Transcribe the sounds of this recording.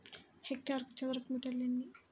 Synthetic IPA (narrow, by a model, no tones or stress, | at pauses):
hek̚ʈaːɾkut͡ʃɐd̪ɾɐpmuʈɐlːenːi